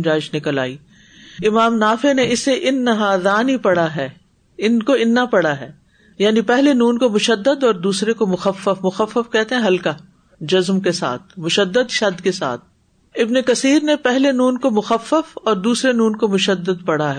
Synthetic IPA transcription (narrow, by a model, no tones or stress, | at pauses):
d͡ʒaːɪʃnɪkəla̰ːiː | ɪmaːmnaːfeneɪsːeʔɪnːɐɦaːd̪aːnipɐɽaɦɛː | ɪnkoɪnːapɐɽaɦɛː | jaːnipɛɦlenuːnkomʊʃəd̪ːəd̪ɔːɾd̪uːsɾekomʊxəfːəfmʊxəfːəfkɛɦt̪eɦɛ̃ɦɐlka | d͡ʒɐzmkesa̰ːt̪̚ʰmʊʃəd̪ːəd̪ʃɐd̪kesa̰ːt̪̚ʰ | ɪbnekɐsiːɾnepɛɦlenuːnkomʊxəfːəfɔːɾd̪uːsɾenuːnkomʊʃəd̪ːəd̪̚pɐɽaɦɛː